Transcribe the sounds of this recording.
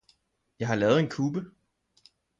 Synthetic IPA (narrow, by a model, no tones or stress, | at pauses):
jɑ̈ɪɦɑ̈lɛːð̞̩ˠe̝nkʰuːb̥ə